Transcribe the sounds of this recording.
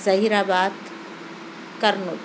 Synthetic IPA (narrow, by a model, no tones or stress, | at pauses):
zɐɦiɾaːbaːt̪ | kɐɾnu